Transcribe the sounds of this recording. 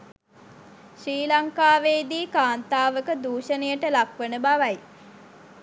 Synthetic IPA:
ʃɾiːlaŋkaːʋeːd̪iːkaːnt̪aːʋəkəd̪uːʃənəjəʈəlakʋənəbaʋaj

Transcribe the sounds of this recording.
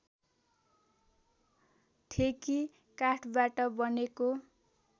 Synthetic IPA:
t̪ʰeki | kaʈʰbaʈʌbʌneko

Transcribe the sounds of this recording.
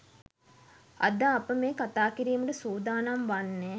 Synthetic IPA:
ɐ̰d̪aːpəmeːkat̪aːkiɾiːməʈəsuːd̪aːnamʋanːeː

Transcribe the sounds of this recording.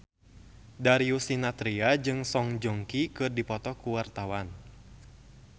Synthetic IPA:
daɾiusinat̪ɾiad͡ʒɨŋsɔŋd͡ʒɔŋkikɨrdipɔt̪ɔkuwart̪awan

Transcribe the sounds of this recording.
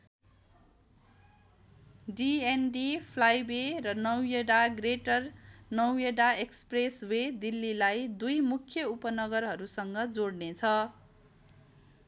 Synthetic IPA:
ɖienɖipʰlajberʌnʌwjeɽaɡreʈʌrnʌwjeɽaekspreswed̪ilːilajd̪ujmukʰjʌupʌnʌɡʌrɦʌɾusʌŋɡʌd͡zoɽnet͡sʰʌ

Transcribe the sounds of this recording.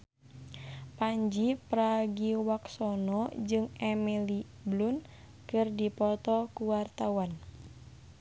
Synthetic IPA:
paɲd͡ʒipɾaɡiwaksɔnɔd͡ʒɨŋɛmɛli | blun | kɨrdipɔt̪ɔkuwart̪awan

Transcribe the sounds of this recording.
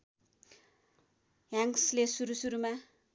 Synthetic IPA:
jaŋslesuɾusuɾuma

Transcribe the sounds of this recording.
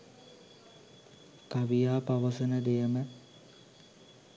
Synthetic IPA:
kaʋijaːpaʋəsənəd̪ejəmə

